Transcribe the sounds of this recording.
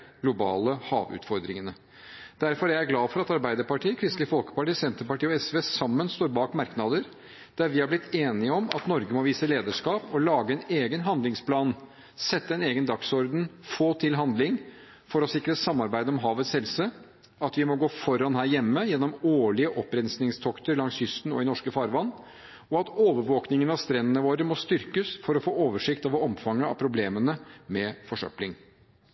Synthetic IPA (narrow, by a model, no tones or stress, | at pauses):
ɡlʊbɑ̰ːləhɑ̰ːʋʉ̰ːt̪fɔɾd̪ɾɪ̰ŋənə | d̪æɾfɔɾææɾɡlɑːfɔɾɑt̪ɑɾbæɪd̪əɾpɑʈiːəkʰɾɪst̪lɪfɔlkə̥pɑʈiːsɛnt̪əɾpɑʈiːɔɛsʋeːsɑmːənst̪oːɾbɑːkmɑɾknɑd̪əɾ | d̪̥æɾʋɪhɑɾblɪt̪ʰːeːnɪəɔmɑ̰t̪nɔɾɡəmɔʋiːsəleːd̪əʂkɑːpɔlɑːɡəɛneːɡənɦɑnd̪lɪŋspʰlɑːn | sɛt̪ːəɛneːɡənd̪ɑksɔɾd̪n̩foːt̪ʰɪlɦɑnd̪lɪŋ | fɔɾɔsɪkɾət̪sɑmːɑɾbæɪd̪əɔmɦɑːʋət̪shɛlsə | ɑt̪ʋɪmɔɡoːfɔɾɑnɦæːɾjɛmːəjɛnːɔmoːɭɪəʔɔpːɾɛnsnɪŋst̪ʰɔkt̪əɾlɑŋshʏst̪n̩ɔ̰ɪnɔʂkəfɑːɾʋɑnː | ɔɑt̪oːʋəɾʋoːknɪŋənɑʋst̪ɾɛnːənəʋoːɾəmɔst̪ʏɾkəsfɔɾɔfoːoːʋəʂɪkt̪ɑʋɔmfɑŋːəɑ̰pʰɾʊbleːmənəmɛfɔʂœ̰plɪŋ